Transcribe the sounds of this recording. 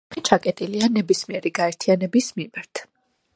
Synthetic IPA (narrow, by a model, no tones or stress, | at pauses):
it͡ʃʰakʼɛt̪ʼilianɛbismiɛɾiɡaɛɾt̪ʰianɛbismimaɾt̪ʰ